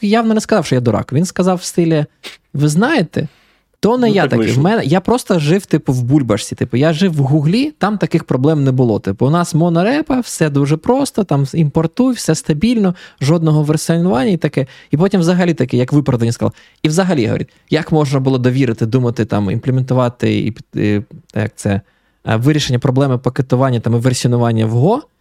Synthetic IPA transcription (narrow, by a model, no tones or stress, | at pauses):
jawnɔnɛskɐzɑwʃt͡ʃɔjad̪ɔɾɑ̰kʊʋʲinskɐzɑwst̪ɪlʲɛʋɪznɑjet̪ɛ̰ | t̪ɔnɛjat̪ɐkɛ̰wmɛnɛjapɾɔst̪ɐʒɪwt̪ɪpʊwbulʲbɐʃsʲit̪ɪpʊjaʒɪwːɦuɦlʲit̪ɑmt̪ɐkɪxpɾɔblˠɛmnɛbʊlˠɔt̪ɪpʊʊnɑsmɔnɐɾɛpɐwsɛd̪uʒɛpɾɔst̪ɔt̪ɑmimpɔrt̪ujwsɛst̪ɐbʲilʲnɔʒɔd̪nɔɦɔʋersʲnʊʋɑnʲːɐit̪ɐkɛipɔtʲimwzɐɦɐlʲit̪ɐkɛjɐkʋɪpɾɐd̪ɐnʲiskɐlˠɐ | iwzɐɦɐlʲiɦɔ̰ɐ̰ɾʲit̪ʲ | jɐkmɔʒnɐbʊlˠɔd̪ɔʋʲiɾɪt̪ɪd̪umɐt̪ɪt̪ɑmḭnmplʲˠement̪ʊʋɑt̪ɪ̰ḭpʲ | jɐ̰k̚t̪sɛ | ʋɪɾʲiʃenʲːɐpɾɔblˠɛmɪpɐket̪ʊʋɑnʲːɐt̪ɑmʋersʲiɔnʊʋɑnʲːɐwɦɔ